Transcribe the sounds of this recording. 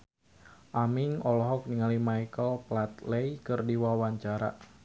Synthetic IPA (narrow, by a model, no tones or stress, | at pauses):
ʔamiŋɔlɔɦɔk̚niŋalimajkəlplat̪lejkɨrdiwawaɲt͡ʃaɾa̰